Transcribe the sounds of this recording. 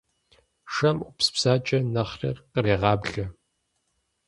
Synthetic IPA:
ʂɐmupspsaːt͡ʃʼɐnɐχrḛrqəreːʁɑːbɮɐ

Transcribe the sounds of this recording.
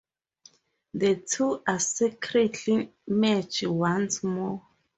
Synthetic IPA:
dətʰuʔasɛkʰɹɛtʰlimɛt͡ʃwãnsmɔ

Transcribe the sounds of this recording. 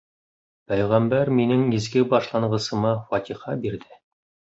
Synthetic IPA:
pæjʁæmbæɾminɘŋizɡɘbɑʃlˠɑɴɢɤ̆sɤ̆mɑfɑt̪ʲiχɑbiɾðɘ

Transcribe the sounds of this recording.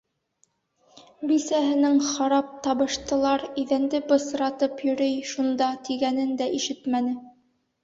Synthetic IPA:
bisæɦɘ̆nɘŋχɑɾɑp̚t̪ɑβɤ̆ʃt̪ɤ̆lˠɑɾiðænd̪ɘbɤ̆sɾɑt̪ɤpjɵ̆ɾɘjʃund̪ɑt̪iɡænɘnd̪æʔiʃɘt̪mænɘ

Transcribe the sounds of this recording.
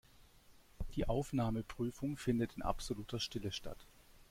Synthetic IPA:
d̥iːʔaʊfnaːməpʁ̥yːfʊŋfɪndətɪnʔa̰pz̥oluːtɐʃtɪləʃta̰t

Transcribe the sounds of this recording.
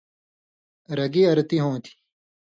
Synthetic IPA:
ɾɐɡiɐɾt̪iɦõːt̪ʰi̥

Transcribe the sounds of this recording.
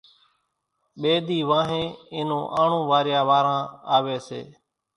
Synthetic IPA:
ɓeːd̪iːʋãːɦẽːɪːnõːʔaːɳ̤ũːʋaːɾɪjaːʋaːɾãːaːʋeːsḛː

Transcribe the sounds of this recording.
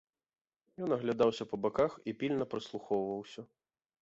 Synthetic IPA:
jɔnɐɣlʲad̪awsʲɐpɐbakaxipʲilʲnɐpɾɨslˠuxɔwvɐwsʲɐ

